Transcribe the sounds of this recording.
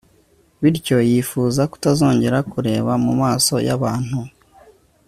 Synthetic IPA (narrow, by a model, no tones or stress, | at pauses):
βiɾco̞jiːfuːzaku̥tazo̞ːɲɟe̞ɾakuɾe̞ːβamumaːso̞̰ja̰βaːn̥hu